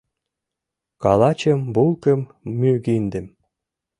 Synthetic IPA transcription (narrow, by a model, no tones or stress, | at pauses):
kɑlɑt͡ɕəmbulkə̆mː | yɣind̪ɘ̆m